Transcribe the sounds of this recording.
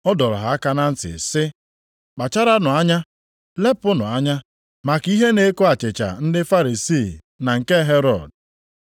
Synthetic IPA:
ɔ˦dɔ˨ɾʊ̰˨ɦa˨˦a˦ka˦na˦n̩˦tɪ̰˨sɪ˦ | k͡pa˨t͡ʃa˦ɾa˦nʊ˨a˦ɲa˦ | le˦pʊ˦nʊ̰˨a˦ɲa˦ | ma˨ki˦ɦe˦ne˨˦ko˦a˨t͡ʃɪ˨t͡ʃa̰˨n̩˦dɪ˦fa˦ɾi˨si˦˨ | na˨ŋ̩˨ke˦ɦe˦ɾɔ˨d̚

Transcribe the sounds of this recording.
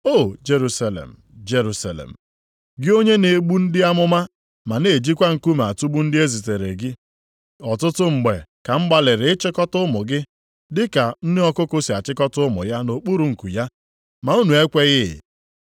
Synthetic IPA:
o˦˨d͡ʒe˨ɾu˦sa˨lḛ˨m̩˨d͡ʒe˦ɾu˨sa˨lḛ˨m̩˨ | ɡɪ˦o˦ɲe˦ne˨˦ɡ͡bu˦n̩˦dɪ˦a˦mʊ˦ma˦ | ma˨ne˨d͡ʒi˦kʷa˦ŋ̩˨ku˦me˨a˨tu˦bu˦n̩˦dɪ˦e˦zi˨te˨ɾe˨ɡɪ˦ | ɔ˨tʊ˦tʊ˦ŋ͡m̩˨ɡ͡be˨ka˨m̩˦ɡ͡ba˨lɪ˨ɾɪ˨ɪ˦t͡ʃɪ˦kɔ˦tʊ˦mʊ˨ɡɪ˦ | dɪ˦ka˨n̩˦nɪ˦ɔ˦kʊ˦kʊ˦si˨a˨t͡ʃɪ˦kɔ˦tʊ˦mʊ̰˨ja˦no˨k͡pu˦ɾu˨ŋ̩˨ku˨ja˦ | ma˨u˦nu˨e˦kʷe˦ɣɪ˦ɪ̰˨

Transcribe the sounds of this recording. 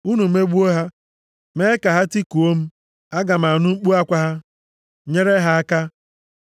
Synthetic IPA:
u˦nu˨˦e˦ɡ͡bu˦o˦ɦa˦ | me˦ka˨ɦa˦ti˦ku˨o˦m̩˦ | a˦ɡa˨m̩˨a˨nʊ˦ŋ͡m̩˦k͡pu˦a˦kʷa˦ɦa˦ | ɲe˦ɾe˦ɦa˦a˦ka˦

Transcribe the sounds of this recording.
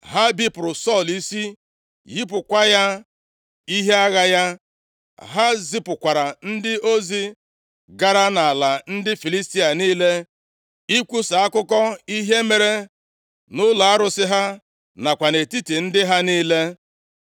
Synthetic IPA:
ɦa˦bi˦pʊ˨ɾʊ˨sɔ˦˨li˦si˦ | ji˦p̬ʊ˨kʷa˦ja˦ | i˦ɦe˦a˦ɣa˦ja˦ | ɦa˦zi˦pʊ˨kʷa˨ɾa˨n̩˦dɪ˦o˦zi˦ | ɡa˦ɾa˦na˨la˨n̩˦dɪ˦fi˨li˦sti˦a˨niː˦le˦ | i˦kʷu˦sa˨a˦kʊ˦kɔ˦i˦ɦe˦me˨ɾe˦ | nʊ˦la˨a˦ɾʊ˦sɪ˦ɦa˦ | na˨kʷa˨ne˨ti˦ti˨n̩˦dɪ˦ɦa˦niː˦le˦

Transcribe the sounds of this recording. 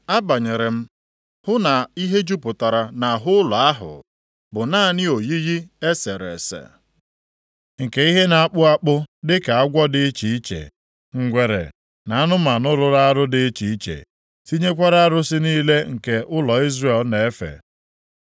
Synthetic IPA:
a˦ba˨ɲe˨ɾe˨m̩˦ | hʊ˦na˨i˦ɦe˦d͡ʒu˦pʊ˨ta˨ɾa˨na˨ɦʊ˦la˨a˦ɦʊ̰˨ | bʊ˨naː˦˨nɪ˦o˨ji˦ɣi˦e˦se˨ɾḛ˨sḛ˨ | ŋ̩˨ke˨i˦ɦe˦na˨a˦k͡pʊ˦a˦k͡pʊ˦dɪ˦ka˨a˦ɡʷɔ˦dɪ˦t͡ʃi˨˦i˦t͡ʃḛ˨ | ŋ̩˨ɡʷe˨ɾḛ˨ | na˨a˦nʊ˦ma˨nʊ˦ɾʊ˦ɾa˦a˦ɾʊ˦dɪ˦t͡ʃi˨˦i˦t͡ʃḛ˨ | si˦ɲe˦kʷa˦ɾa˦a˦ɾʊ˦sɪ˦niː˦le˦ŋ̩˨ke˨ʔʊ˦lɔ˨i˦zre˦˨lne˨e˦fḛ˨

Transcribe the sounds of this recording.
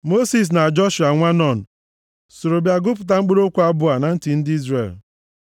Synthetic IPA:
mo˦si˨s̬na˨d͡ʒɔ˦ʃu˨a˨ŋʷa˦nɔ˦˨n̩˨ | so˨ɾo˨bja˨ɡʊ˦pʊ˨t̬a˦ŋ͡m̩˦k͡pe˦ɾo˦kʷu˦a˦bʊ˦a˨na˨n̩˦tɪ˨n̩˦dɪ˦i˦zre˨l

